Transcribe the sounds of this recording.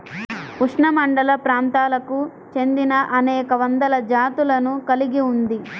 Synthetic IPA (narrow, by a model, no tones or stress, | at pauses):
puʂɳɐmɐɳɖɐlɐpɾaːnt̪aːlɐku | t͡ʃe̞nd̪inɐʔɐnɛːkɐʋɐnd̪ɐlɐd͡ʒaːt̪ulɐnukɐliɡiund̪i